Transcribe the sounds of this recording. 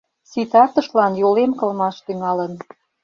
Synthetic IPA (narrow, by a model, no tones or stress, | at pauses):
sit̪ɑt̪ə̆ʃlɑnjolemkɤ̆lmɑʃt̪yŋɑlən